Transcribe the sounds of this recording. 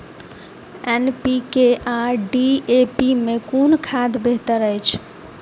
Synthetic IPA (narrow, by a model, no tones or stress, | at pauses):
enpikeʔaɖiepimekunkʰad̪beɦt̪əɾəjt͡ʃʰ